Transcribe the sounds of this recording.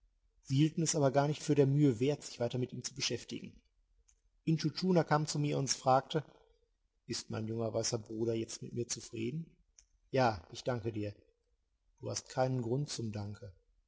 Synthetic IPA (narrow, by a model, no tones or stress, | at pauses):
z̥iːhiːltn̩ɛsʔaːbɐɡaːɐnɪçtfyːɐɾeːɐmyːəveːɐtz̥ɪçv̥aɪtɐmɪtʔiːmt͡subəʃɛftɪ̰ɡŋ̩ | ʔɪntutʰuːnakʰaːmt͡sumiːɐʊntfʁ̥aːk̚tə | ʔɪst̚ma̰ɪnjʊŋɐvaɪsɐbʁuːɾɐjɛt͡st̚mɪtmiːɐt͡sufʁ̥ḭːdn̩ | jaːʔɪçd̥aŋkədiːɐ | d̥uːhast̚kʰaɪnənɡʁʊntt͡sʊmdaŋkʰə